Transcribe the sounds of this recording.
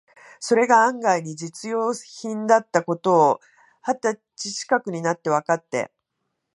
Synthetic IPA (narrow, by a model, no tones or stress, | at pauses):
so̞ɾe̞ɡaãŋɡaiɲ̟id͡ʑit͡sɨjo̞ːçĩnd̪at̪ːako̞t̪o̞ː | hat̪ːa | t͡ɕiɕi̥kakɯ̟ɲ̟inat̪ːe̞β̞akat̪ːe̞̰